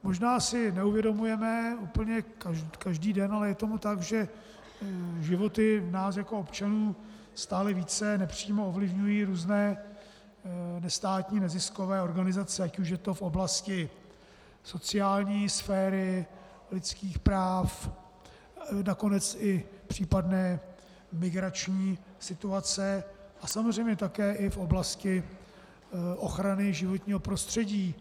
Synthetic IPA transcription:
mo̞ʒnaːsɪnɛuvjɛdo̞mujɛmɛuːpl̩ɲɛkakaʒdiːdɛnalɛjɛt̪o̞mut̪aɡʒɛ | ʒɪvo̞t̪ɪnaːsjako̞opt͡ʃanuː | st̪aːlɛviːt͡sɛnɛpr̝̥iːmo̞ovlɪvɲujiːɾuːznɛː | nɛst̪aːt̪ɲiːnɛzɪsko̞vɛːo̞ɾɡanɪzat͡sɛacuʃ̬jɛt̪o̞fʔo̞blascɪ | so̞t͡sɪaːlɲiːsfɛːɾɪ | lɪt͡skiːxpɾaːf | nako̞nɛt͡sɪpr̝̥iːpadnɛː | mɪɡɾat͡ʃɲiː | sɪt̪uat͡sɛʔasamozrɛjmɲɛt̪akɛːʔɪfʔo̞blascɪ | ʔo̞xɾanɪʒɪvo̞t̪ɲiːɦo̞pɾo̞st̪r̝̥ɛɟiː

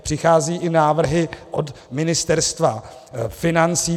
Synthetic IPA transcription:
pr̥ɪxaːziːʔɪnaːvr̩ɦɪʔot̪ | mɪnɪst̪ɛɾst̪va | fɪnant͡siː

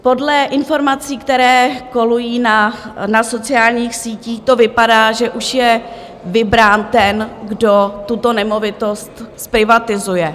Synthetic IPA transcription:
po̞dlɛʔɪnfo̞ɾmat͡siːkt̪ɛɾɛːko̞lujiːnanaso̞t͡sɪaːlɲiːxsiːciːxt̪o̞vɪpadaːʒɛʔuʃjɛ | vɪbɾaːnt̪ɛnɡdo̞t̪ut̪o̞nɛmo̞vɪt̪o̞st̪spɾɪvat̪ɪzujɛ

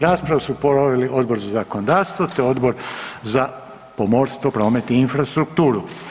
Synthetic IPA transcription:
ɾaːspɾaʋasupoɾoʋeliʔo̞d̪bo̞ɾzazakonod̪aːɾst̪ʋot̪eo̞d̪bo̞ɾza | pomo̞ːɾst̪ʋopɾo̞ːme̞t̪iinfɾast̪ɾukt̪uːɾu

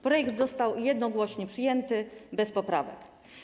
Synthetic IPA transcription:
pɾɔjɛkd̪zɔst̪awjɛd̪nɔɡwɔɕɲɛpʂɘjɛnt̪ɘbɛspɔpɾavɛ̰k

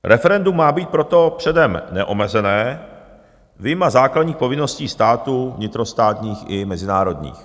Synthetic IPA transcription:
ɾɛfɛɾɛndumːaːbiːt̪̚pɾo̞t̪o̞pr̝̥ɛdɛmnɛʔomɛzɛnɛː | vɪjmazaːkladɲiːxpo̞vɪno̞sciːst̪aːt̪uvɲɪt̪ɾo̞st̪aːt̪ɲiːxɪmɛzɪnaːɾo̞dɲḭːx

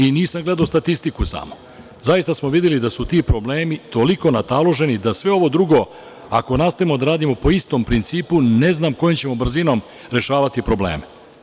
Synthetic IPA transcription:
iniːsamɡle̞d̪aost̪at̪ist̪ikusa̰mo | zajist̪asmoʋid̪jelid̪asut̪iːpɾo̞ble̞ːmit̪o̞liko̞nat̪alˠo̞ʒe̞nid̪asʋe̞o̞ʋo̞d̪ɾuɡo̞ | ako̞naːst̪aimo̞d̪aɾaːd̪imopo̞ist̪o̞mpɾint̪siːpune̞znaːmko̞jomt͡ɕe̞mo̞br̩zino̞m | ɾe̞ʃaːʋat̪ipɾo̞blḛːme

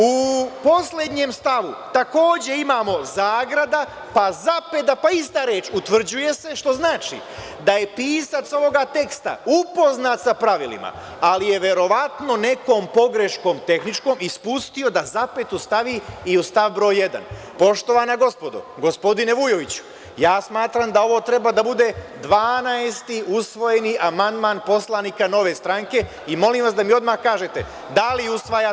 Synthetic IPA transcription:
upo̞sle̞d̪ɲe̞ːmst̪aʋut̪ako̞ːd͡ʑe̞imaːmo̞zaːɡɾad̪a | pazape̞d̪apaist̪aːɾe̞ːt͡ʃut̪ʋr̩d͡ʑuje̞se̞ʃt̪o̞znaːt͡ʃḭ | d̪aje̞piːsat̪so̞ʋo̞ɡat̪e̞kst̪a̰upo̞znat̪sapɾaʋilḭma̰ | alije̞ʋe̞ɾo̞ʋat̪no̞ne̞ko̞ːmpo̞ɡɾe̞ʃko̞ːmt̪e̞xnit͡ʃko̞ːmispust̪io̞d̪azape̞t̪ust̪aʋiiust̪aʋbɾo̞ːjːe̞d̪a̰n | po̞ʃt̪o̞ʋanaɡo̞spo̞d̪o̰ɡo̞spo̞d̪ine̞ʋujo̞ʋit͡ɕu̥ | jaːsmaːt̪ɾamd̪ao̞ʋo̞ːt̪ɾe̞bad̪abud̪e̞d̪ʋaːnaest̪iusʋo̞je̞niʔamand̪maːnpo̞slˠaniːkano̞ʋe̞st̪ɾaŋke̞ | imo̞limʋasd̪amio̞d̪maxkaːʒet̪e | d̪aliusʋaja

